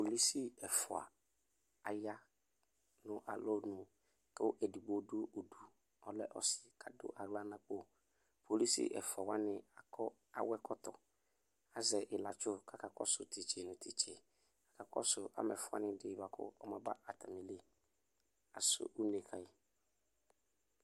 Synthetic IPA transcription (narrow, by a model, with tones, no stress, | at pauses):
po˨li˦si˦ɛ˨fʊ˨a̰˨ | a˨ja˦ | nʊ̃˦ʔa̰˨lɔ˦nʊ̃˨ | kɛ˦ʔɛ˨di˨ɡ͡bo˨˦dʊ˦o˨du˨ | ɔ˨lɛ˦ʔɔ̰˨sɪ̥˨kʰa˨dʊ̰˦ʔa˨ɣla˦nã˨k͡po˦˨ | pʰo˨li˦sḭ˦ʔɛ̰˨fʊ˨a˨wa˦nɪ̃˦a˨kʰɔ˦ | a˨wɛ˦kʰɔ˦tɔ˨ | a˨zɛ˨ʔɪ˨la˨t͡ʃʊ˦kʰa˨ka˨kɔ̰˦sʊ˨ti˨t͡ʃe˨nʊ̃˨tʰi˨t͡ʃe˨ | kḁ˨ka˨kɔ̰˦sʊ˨ʔa̰˦mɛ̰˨fʊ˨˦a̰˦nɪ̃˦dɪ˦˨ba˨kʰʊ̰˦ɔ˦mã˦ba˦ʔa˨tʰa˨mɪ˨le˦ | a˨sʊ̰˦ʔu˦ne˨kʰa˨ɪ˨